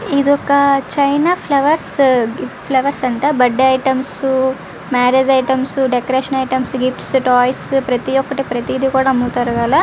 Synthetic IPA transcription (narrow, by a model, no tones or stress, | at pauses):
id̪ɔkɐt͡ʃɐjnaːpʰlɐʋɐɾs | pʰlɐʋɐɾsɐɳʈaːbɐɖːɐjʈɐmsu | maːɾed͡ʒɐjʈɐmsuɖekɐɾeːʂɐnɐjʈɐmsɡipʈsʈɔːjspɾɐt̪ijɔkːɐʈipɾɐt̪id̪ikuːɽaːmːut̪ɐɾɐɡaːla